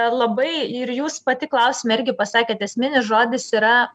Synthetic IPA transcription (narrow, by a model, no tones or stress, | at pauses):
lˠɐbɐɪɪɾjuːspɐt̪ʲɪklˠɐʊsʲɪmɐɪɾʲɡʲɪpɐsɑːkʲeːt̪ɛsʲmʲɪnʲɪsʒoːd̪ʲɪsiːɾɐ